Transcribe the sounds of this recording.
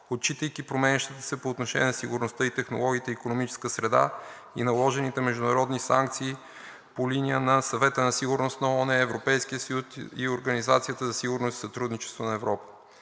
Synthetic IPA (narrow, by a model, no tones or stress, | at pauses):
ot̪̚t͡ʃit̪əjkipɾomɛnʲəʃt̪it̪əsɛpoːt̪noʃɛ̰nʲiɛnsiɡʊɾnost̪əit̪ɛxno̰lˠɔɡʲiːt̪ɛikonomit͡ʃɛ̥skəsɾɛd̪a̰ | ḭnɐlˠɔʒɛnit̪ɛmɛʒd̪ʊnɐɾɔd̪nisa̰ŋkt̪siː | polinijənɐsɐvɛt̪ənɐsiɡʊɾnost̪nɐɔnɛːvɾopɛjskiəsɐjusḭoɾɡənizat̪sijət̪əzɐsiɡʊɾnosi̥sɐt̪ɾud̪nit͡ʃɛ̥st̪vonɐɛvɾɔpə̥